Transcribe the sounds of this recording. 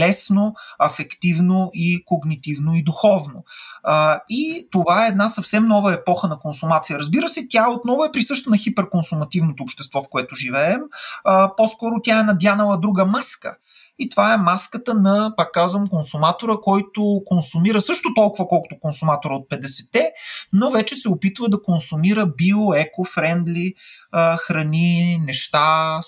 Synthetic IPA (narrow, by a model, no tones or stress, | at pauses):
lɛsnoɐfɛkt̪ivnoʔikoɡnit̪ivnoid̪ʊxɔvno | it̪ovaɛːd̪nasɐfsɛmnɔvəɛpɔxənɐkonsʊmat̪sijəɾəzbiɾəsɛt̪ʲaot̪nɔvʊɛpɾisɤʃt̪ənɐxipɛɾkonsʊmɐt̪ivnot̪oːpʃt̪ɛst̪vɔfkoɛt̪ʊʒivɛɛmpɔskɔɾot̪ʲaɛnɐd̪ʲjanɐlˠəd̪ɾuɡəmaskə̰ | it̪ovaɛmaskət̪ənɐpakːazvəmkonsʊmat̪oɾəkɔjt̪ʊkonsʊmiɾəsɤʃt̪ʊt̪ɔlˠkʊvəkɔlˠkʊt̪ʊkonsʊmat̪oɾəot̪̚pɛd̪ɛsɛ̥t̪ɛnovɛt͡ʃɛsɛopit̪vəd̪ɐkonsumiɾəbioɛkofɾɛnd̪liəxɾɐninɛʃt̪a